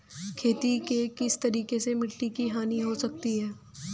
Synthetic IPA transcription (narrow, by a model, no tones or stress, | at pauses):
kʰeːt̪ikekɪst̪ɐɾiːkesemɪʈʈikiɦaːniɦosɐk̚t̪iɦɛː